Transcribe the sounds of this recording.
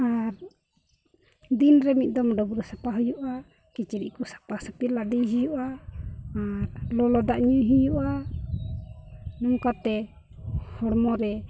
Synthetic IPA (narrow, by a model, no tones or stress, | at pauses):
aɾ | d̪inɾɛmit̪̚d̪ɔmɖɔbuɾɔsapaɦujɔʔa | kit͡ʃiɾḭʔkɔsḁpasapiladijɦijɔʔaː | ɾlɔlɔd̪aʔɲuɦujɔʔa | nuŋkat̪ɛ | hɔɽmɔɾɛ